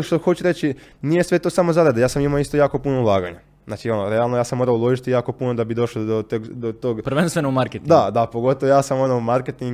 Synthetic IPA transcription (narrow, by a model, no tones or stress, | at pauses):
ʃt̪oxo̞t͡ʃuɾet͡ɕinije̞sʋe̞t̪o̞ːsamo̞zaɾad̪ajaːsamimaoist̪ojaːko̞punoulˠaːɡaɲa | znaːt͡ʃio̞noɾealˠnojaːsemo̞ːɾaulˠo̞ʒit̪ijaːko̞punod̪abid̪o̞ʃlˠod̪ot̪oɡd̪ot̪o̞ɡpɾʋenst̪ʋenoumaɾket̪id̪ad̪apo̞ɡo̞t̪oʋojaːsamo̞noumaɾket̪iŋɡ